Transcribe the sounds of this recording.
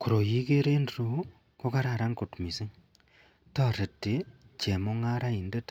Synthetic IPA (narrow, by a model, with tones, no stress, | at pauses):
ku˨ɾo˨ji˦ke˦ɾe˦ndɾo˨ | ko˦ka˦ɾa˨ɾa˦ŋko˨tmi˨si˦ŋ | tɔ˦ɾe˨tːe˨ | t͡ʃe˨mo˦ŋa˦ɾa˦i˨nde˦t